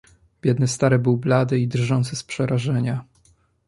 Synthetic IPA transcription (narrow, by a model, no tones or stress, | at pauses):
b̥ʲjɛd̪nɘst̪aɾɛbɘwblad̪ɘid̪rʐɔnt̪sɘspʂɛɾaʐɛɲa